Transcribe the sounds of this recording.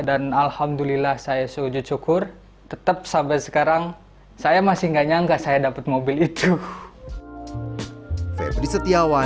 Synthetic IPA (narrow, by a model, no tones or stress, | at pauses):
danalhamdulilahsajasud͡ʒut͡ʃukʊr | t̪ət̪əp̚sabasə̥kaɾaŋ | sajamasɪŋɡaɲaŋɡaʔsajadapət̪̚mobilit̪ʰu | fɛ̰d̪ɾisət̪iawa